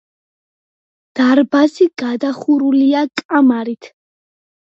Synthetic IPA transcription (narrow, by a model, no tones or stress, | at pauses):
d̪̥aɾbaziɡ̥ad̪aχuɾuliakʼamaɾit̪ʰ